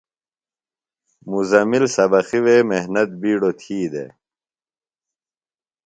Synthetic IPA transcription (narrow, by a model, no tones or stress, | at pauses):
muzɐmilsɐbɐxiweːmeɦnɐt̪̚biːɽot̪ʰiːd̪ḛ